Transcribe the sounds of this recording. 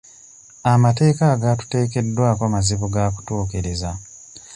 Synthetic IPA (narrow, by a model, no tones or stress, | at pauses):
amate̞ːkaːɡatu̥te̞ːke̞dːwaːkwamaziβuɡaːku̥tuːkiɾiza